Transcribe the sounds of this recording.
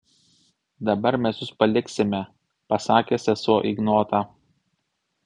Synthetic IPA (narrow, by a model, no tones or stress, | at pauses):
d̪ɐbɐɾmʲɛsjʊspɐlʲɪksʲɪmʲɛ | pɐsɑːkʲeːsʲɛsuɔʔɪɡnoːt̪ɑ